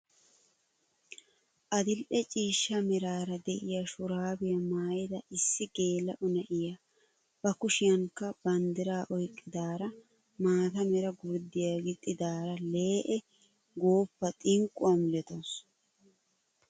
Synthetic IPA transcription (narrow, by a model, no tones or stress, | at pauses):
ʔɐd̪ɪlʔɛt͡ʃʼiːʃːɐmɛɾaːɾɐd̪ɛʔɪjaʃʊɾaːbɪjɐmaːjɪd̪ɐʔɪsːɪɡe̞ːlɐʔʊnɐʔɪja | bɐkʊʃɪjɐŋkːɐbɐnd̪ɪɾaːʔɔjkʼːɪd̪aːɾɐ | maːt̪ɐmɛɾɐɡʊɾd̪ɪjaɡɪt̪ʼːɪd̪aːɾɐle̞ːʔɛ | ɡo̞ːpːɐt̪ʼɪŋkʼʊwɐmɪlɛt̪os